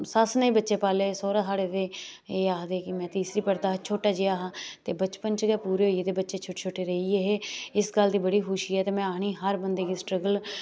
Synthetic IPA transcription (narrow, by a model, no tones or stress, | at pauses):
sasnaiːbətːʃeːpaːleːsoːɾaːsaːɽeːt̪eːeːaːd̪eːkɪmɛ̃ːt̪iːsɾiːpəɾt̪aːt͡ʃʰoːʈaːd͡ʒeːaːɦaːt̪eːbət͡ʃpənt͡ʃɡeːpuːɾeːɦoiet̪eːbətːʃeːt͡ʃʰʊʈt͡ʃʰoːʈeːɾəiːeɦeːɪsɡəld̪iːbəɽiːxʊʃiːɛːt̪eːmɛ̃ːaːɳ̃iːɦəɾbənd̪eːkiːsʈɾəɡəl